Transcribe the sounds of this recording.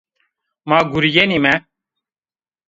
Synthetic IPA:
maːɡuɾijenimɛ

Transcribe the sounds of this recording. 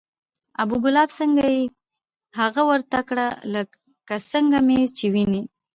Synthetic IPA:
abuɡʊlɑbsəŋɡaji | haɣawəɾt̪akɽalək | kasəŋɡamet͡ʃewini

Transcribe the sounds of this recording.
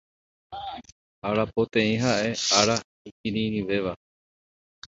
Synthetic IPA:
aɾapot̪ẽ̞ĩɦaʔe̞aɾa | ikiɾĩɾiʋe̞ʋa

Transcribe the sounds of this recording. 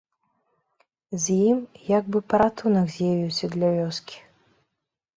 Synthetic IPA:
zʲjimjaɡ̚bɨpɐɾat̪unɐkzʲjavʲiwsʲɐd̪lʲɐvʲɔskʲi̥

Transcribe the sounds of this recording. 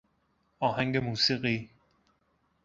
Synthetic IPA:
ɒːhæŋɡemuːsiɣi

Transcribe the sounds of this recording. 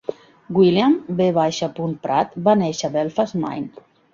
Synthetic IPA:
ɡwiljambeβaʃapunpɾat̪baneʃaβɛlfazma̰jn

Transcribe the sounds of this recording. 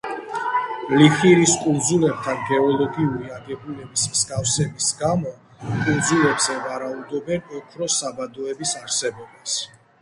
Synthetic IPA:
liχiɾiskʼund̪zulɛb̚t̪ʰanɡɛɔlˠɔɡiuɾiaɡɛbulɛbismskʼafsɛbisɡamɔ | kʼund̪zulɛbzɛvaɾaud̪ɔbɛnɔkʰɾɔsabad̪ɔɛbisaɾsɛbɔbas

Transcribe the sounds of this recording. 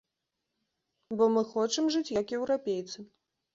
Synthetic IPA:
bɔmɨxɔt͡ʂɨmʐɨt͡sʲjɐkjɛwɾapʲejt̪sɨ

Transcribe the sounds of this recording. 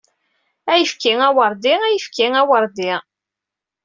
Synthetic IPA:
æjəfkiŋæwəɾˤd̪ɪæjəfkiŋæwəɾˤd̪ɪ

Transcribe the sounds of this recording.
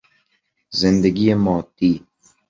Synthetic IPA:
zɪnd̪ɛɡijemɔːt̪i

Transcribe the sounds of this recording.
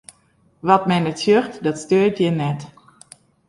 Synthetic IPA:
ʋɔtmɛnɛtsjøχtdɔtstøːtjɛnɛt

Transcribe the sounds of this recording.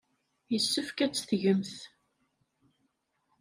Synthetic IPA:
jəsːəfkæt͡sːθʝəmθ

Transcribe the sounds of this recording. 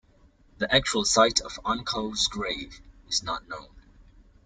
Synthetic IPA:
ðiʔæk̚t͡ʃuəlˠsaɪtʰəvɑ̃nkʰoʊzɡɹeɪvɪznət̚ⁿnõʊ̃n

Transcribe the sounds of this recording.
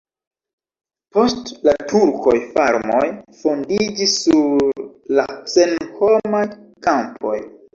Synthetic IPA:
po̞stlatʰuɾkʰo̞jfaɾmo̞jfo̞ndid͡ʒisːuɾlasenho̞majkampʰo̞̰j

